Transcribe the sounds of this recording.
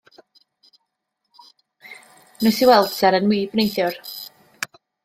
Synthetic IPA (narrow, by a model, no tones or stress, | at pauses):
nʊsiwɛlˠd̥sɛɾənwiːbnejθjʊr